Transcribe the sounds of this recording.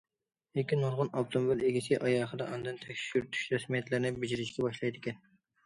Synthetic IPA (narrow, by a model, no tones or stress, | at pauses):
ekʲːinoɾʁʊnɑft̪ʰomobileɡʲisɪʔɑjɑːχəd̪ɑʔɑnd̪ɨnt̪ʰɛkʲʃyɾt̪ʰy̥ʃɾɛsmijɛt̪lɪɾnɪbɪd͡ʒiɾɪʃkʲʰɛbɑʃlˠɑjd̪ɪkʲɛn